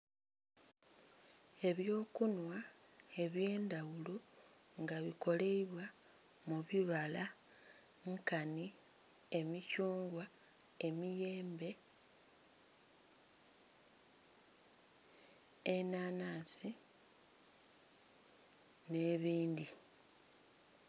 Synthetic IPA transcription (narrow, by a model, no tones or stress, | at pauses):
e̞βjo̞ːkunwae̞βje̞ːndawulu | ŋɡaβiko̞le̞iβwa | muβiβala | ŋkani | e̞micuːŋɡwa | e̞mije̞ːmbe̞ | enanaːsi | ne̞βiːndi